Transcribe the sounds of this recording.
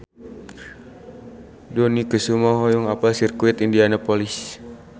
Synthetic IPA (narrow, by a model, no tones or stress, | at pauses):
dɔnikəsumɔɦɔjɔŋapalsirkuit̪indianapɔlis